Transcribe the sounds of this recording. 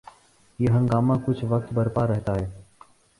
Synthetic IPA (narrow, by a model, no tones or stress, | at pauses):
jeːɦə̃ŋɡaːmãkʊt͡ʃʰʋək̚t̪bəɾpaɾɛɦt̪aɦɛː